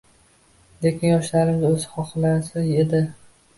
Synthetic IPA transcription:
lekʲʰɪnjɒʃlaɾɪmɪzɵzɪχɒχlasɪe̞d̪ɪ

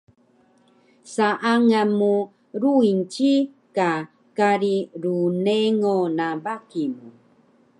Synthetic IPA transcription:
saʔaŋamu | ɾuint͡ʃi | ka | kaɾiɾuneŋonabakimu

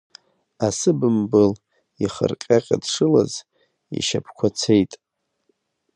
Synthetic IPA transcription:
asɨbɨmbɨl | iχə̰rqʲʼaqʲʼa̰dʂɨla̰z | ḭʃapʰkʷʰat͡sʰejtʼ

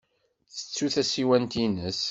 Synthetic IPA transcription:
θə̥t͡sːuθæsiwænt̪inəs

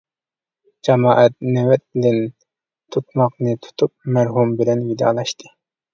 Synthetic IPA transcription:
d͡ʒɑmɑːʔɛt̪̚nɛwɛt̪̚d̪ɪn | t̪ʰut̪̚mɑqnɨt̪ʰu̥t̪ʰup̚mæɾɦumbɪlɛnvid̪ɑ̰ːlˠɑʃt̪ʰɨ

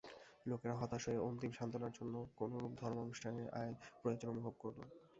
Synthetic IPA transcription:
lokeɾaɦɔt̪aʃoeont̪imʃant̪onaɾd͡ʑonːokonoɾupd̪ʱɔɾmaonuʃʈʰaneɾʔa̰elpɾojod͡ʑonomubʱob̚koɾlo

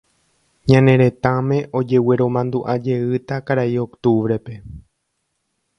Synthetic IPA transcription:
ɲãnẽ̞ɾe̞t̪ãmẽ̞ʔo̞d͡ʒe̞we̞ɾõ̞mãnd̪uʔad͡ʒe̞ɨt̪akaɾaio̞kt̪uʋɾe̞pe̞

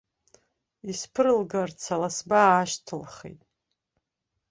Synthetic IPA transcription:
ispʰɨrɨlɡart͡sʰalasbaːʃtʰɨlχḛjtʼ

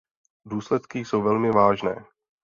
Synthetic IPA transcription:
duːslɛt̪kɪsowvɛlmɪvaːʒnɛ̰ː

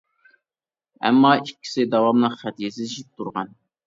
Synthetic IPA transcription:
ɛ̰mːɑikʲʰːi̥sɪd̪ɑwɑmlˠəqχæt̪jesɪziʃip̚t̪ʰuɾʁɑn

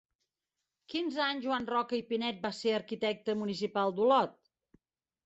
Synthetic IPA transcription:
kinzaɲʒuanrɔkəipinɛt̪̚baseəɾkit̪ɛk̚t̪əmunis̬ipalˠd̪ulɔt̪̚

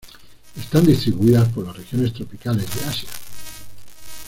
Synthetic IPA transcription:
e̞st̪and̪ist̪ɾiβuiðaspo̞ɾlasrexjo̞ne̞st̪ɾo̞pikale̞zðeasja

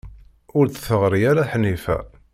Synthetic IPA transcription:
ʊɾθθəʁɾijaɾaħnːifæ̰

